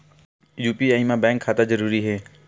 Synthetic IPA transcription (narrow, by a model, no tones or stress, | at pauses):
juːpiːaːimãːbɛ̃ːŋkʰːaːt̪aːzəɾuːɾiːɦeː